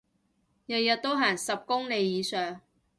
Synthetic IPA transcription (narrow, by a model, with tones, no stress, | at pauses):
jɐ˨t̚jɐ˨t̚t̪ːo˥wɦaː˨˩ŋsɐ˨p̚kʊ˥ŋle˨˧jːiː˨˧sœː˨ŋ